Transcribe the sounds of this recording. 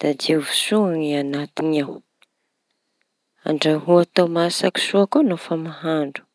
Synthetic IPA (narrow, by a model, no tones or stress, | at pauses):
d̪̥ad̪evusuaŋianat̪iɲaw | a̰ɳɖ͡ʐaɦuat̪omasaki̥suakonafamahaɳɖ͡ʐu̥